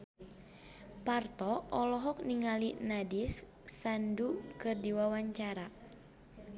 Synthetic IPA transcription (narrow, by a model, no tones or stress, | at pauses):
part̪ɔɔlɔɦɔk̚niŋalinadisː | andukɨrdiwawaɲt͡ʃaɾa